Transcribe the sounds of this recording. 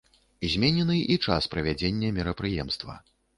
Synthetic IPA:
izʲmʲenʲɛnɨʔit͡ʂaspɾɐvʲad͡zʲenʲːɛmʲɛɾɐpɾɨjɛmst̪vɐ̰

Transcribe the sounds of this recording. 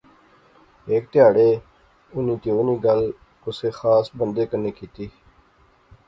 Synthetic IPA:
eːkt̪ɪjaːɽeː | ʊniːt̪eːʊniːɡəl | ʊseːxaːsbənd̪eːkəneːkiːt̪iː

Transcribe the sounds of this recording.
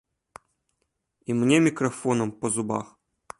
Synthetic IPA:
imnʲemʲɪkɾɐfonəmpəzʊba̰x

